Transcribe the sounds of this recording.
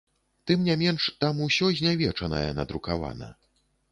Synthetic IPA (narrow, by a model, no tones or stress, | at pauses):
t̪ɨmnʲamʲɛnʂt̪amusʲɔzʲnʲavʲɛt͡ʂɐnɐ̰jɛ̰nɐd̪ɾukava̰nɐ̰